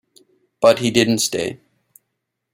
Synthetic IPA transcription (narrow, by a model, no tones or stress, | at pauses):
b̥ʌt̚hidɪdⁿn̩tsteɪ